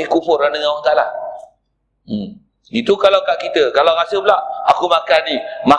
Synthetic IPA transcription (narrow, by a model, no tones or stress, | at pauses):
ɪkufʊrlanəŋawat̪ala̰ | m | it̪ukalawkaʔkit̪əkalawɾasəplaʔakumakanima